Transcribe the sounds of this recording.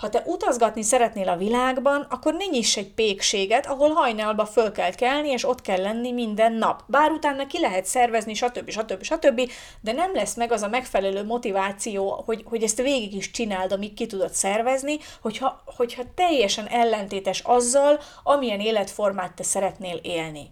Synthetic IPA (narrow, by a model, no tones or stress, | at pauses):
hɒt̪ɛʔut̪ɒzɡɒt̪nisɛɾɛt̪neːlɒvilaːɡbɒnɒkːo̞rniɲiʃɛɟ̚peːkʃeːɡɛt̪ɒɦo̞lɦɒjnɒlbɒfølkɛlkɛlnieːʃo̞t̪kɛlːɛnːimind̪ɛnːɒpbaːɾut̪aːnːɒkilɛɦɛt̪sɛrvɛzniʃɒt̪øbːiʃɒt̪øbːiʃɒt̪ø̞bːi | d̪ɛnɛmlɛsmɛɡɒzɒmɛkfɛlɛløːmo̞t̪ivaːt̪sijoːho̞ɟho̞ɟɛst̪veːɡiɡiʃt͡ʃinaːld̪ɒmikkit̪ud̪o̞t̪sɛrvɛzni | ho̞chɒho̞chɒt̪ɛjːɛʃɛnɛlːɛnt̪eːt̪ɛʃɒzːɒl | ɒmijɛneːlɛt̪fo̞rmaːt̪ːɛsɛɾɛt̪neːleːlni